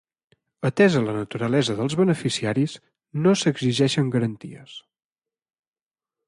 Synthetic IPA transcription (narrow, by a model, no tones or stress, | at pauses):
ət̪ɛzələnət̪uɾəlɛzəðəlˠzβənəfisiaɾiz | nosəɡziʒɛʃəŋɡəɾənt̪ḭə̰s